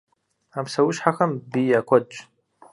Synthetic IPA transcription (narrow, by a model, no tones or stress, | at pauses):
amsawʊʃħaxɐmbijakʷʰɔdt͡ʃʼ